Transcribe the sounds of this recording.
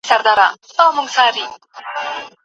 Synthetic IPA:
saɾd̪aɾasɔmuŋsaɾi

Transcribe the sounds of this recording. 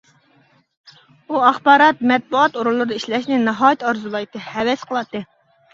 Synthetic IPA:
uɑχbɑːɾɑt̪̚mɛt̪̚buɑt̪oɾulˠːɨɾɨd̪ɑiʃlɛʃnɪnɨɦɑːjɨt̪ɑɾzulˠɑjt̪ɨhɛwɛsqʰəlˠɑt̪ːɨ

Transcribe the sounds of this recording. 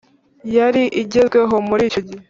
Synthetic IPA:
jaɾiʔiɟezɡwe̞ɦo̞muɾiːcoɟi

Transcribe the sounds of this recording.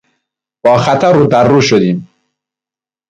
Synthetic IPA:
b̥ɒːxæt̪ʰæɾuːd̪æɾːuːʃod̪iːm

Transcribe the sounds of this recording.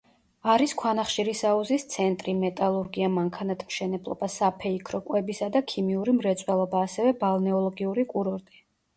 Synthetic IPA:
aɾiskʰwanaχʃiɾisauzist̪sʰɛnt̪ʼɾimɛt̪ʼalˠuɾɡiamaŋkʰanat̪ʰmʃɛnɛblˠɔ̰basapʰɛikʰɾɔkʼwɛbisad̪akʰimiuɾimɾɛt̪sʼwɛlˠɔbaːsɛvɛbalˠnɛɔlˠɔɡiuɾikʼuɾɔɾt̪ʼi̥

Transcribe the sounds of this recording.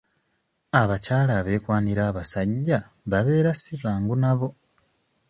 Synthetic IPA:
aβacaːlaβe̞ːkwaːniɾaːβasaɟːa | βaβe̞ːɾasiβaːŋɡunaβo̞

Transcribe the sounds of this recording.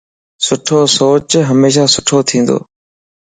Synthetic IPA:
sʊʈʰoːsoːt͡ʃɦəmeːʃaːsʊʈʰoːt̪ʰĩːnd̪o̰ː

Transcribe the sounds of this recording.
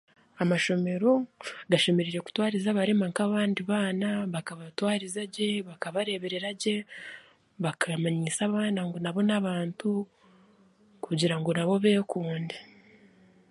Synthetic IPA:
amaʃo̞me̞ɾo̞ɡaʃe̞me̞ɾiɾe̞ku̥twaːɾizaβaɾe̞maŋkaβaːndiβaːnaβakaβatwaːɾizaɟe̞βakaβaɾe̞βe̞ɾe̞ɾaɟe̞ | βakʰamaɲiːsaβaːnaŋɡo̞naβo̞naβaːntu | kuɟiɾaŋɡo̞naβo̞βe̞ːkuːnde

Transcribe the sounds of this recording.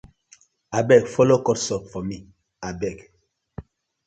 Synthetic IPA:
abɛkfɔlɔkɔtsɔp̚fɔmi | abɛk

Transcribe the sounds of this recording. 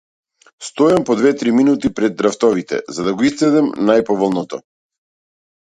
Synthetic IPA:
st̪ɔjampɔd̪vɛt̪ɾiminut̪ipɾɛd̪̚ːɾaft̪ɔvit̪ɛ̰zad̪aɡɔist̪ɛd̪ɛmnajpɔvɔlˠnɔt̪ɔ̰

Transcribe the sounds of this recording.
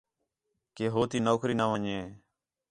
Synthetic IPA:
keːɦoːt̪iːnoːkɾiːnaːʋəɲeː

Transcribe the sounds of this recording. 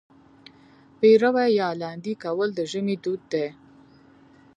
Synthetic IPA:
peɾawajɑlɑnd̪ikawəld̪əʒəmid̪ud̪̚ːe

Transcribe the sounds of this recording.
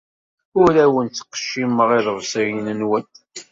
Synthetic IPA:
ʊɾæwənt͡sːə̥qːə̥ʃːimːəʁiðəvsəjnənwən

